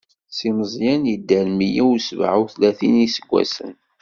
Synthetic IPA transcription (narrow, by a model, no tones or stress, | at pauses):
siməzˤjænjid̪ːælmijiwsvʕuwθlæθinisəɡʷːæ̰sə̰n